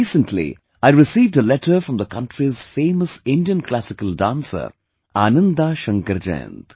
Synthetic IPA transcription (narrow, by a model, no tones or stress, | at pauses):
iːsə̃ntʰlḭ | aɪɾɪsiːvɖəlɛʈʰəɾfɾʌ̃md̪əkʰʌ̃nʈɾiz̥fẽːməsɪ̃ndijə̃nkʰlæsɪkəldãːnsə̰ | aːnə̃nd̪aʃə̃ŋkəɾd͡ʒḛ̃ːnt̪